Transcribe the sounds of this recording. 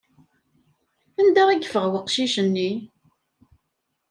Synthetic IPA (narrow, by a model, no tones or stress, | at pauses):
ænd̪æʁiɡfəʁwəqːʃiʃənːi